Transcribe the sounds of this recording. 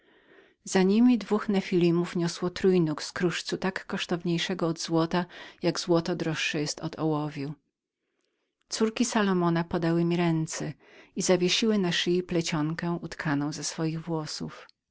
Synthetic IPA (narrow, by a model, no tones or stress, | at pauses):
z̥aɲimʲid̪vuxnɛfʲilʲimufɲɔswɔt̪ɾujnukskɾuʂt̪sut̪akːɔʂt̪ɔvɲejʂɛɡɔːd̪zwɔt̪ajaɡzwɔt̪ɔd̪ɾɔʂːɛjɛst̪ɔd̪ɔwɔvʲju | t̪suɾkʲisalɔmɔnapɔd̪awɘmʲiɾɛnt̪sɛizavʲjeɕiwɘnaʂɘiplɛt͡ɕɔŋkɛ̃ut̪kʰanɔ̃w̃zɛsfɔjiɣvwɔsṵf